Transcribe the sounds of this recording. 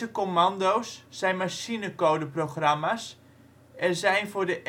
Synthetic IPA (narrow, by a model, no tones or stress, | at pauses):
əkomandowsːɛjnmasinəkowdəproxramas | ɛzɛjnfʊːɹdəʔ